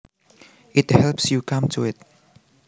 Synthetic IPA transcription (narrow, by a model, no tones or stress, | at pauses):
ɪthɛlpsjukʰʌ̃mtʰuɪt̚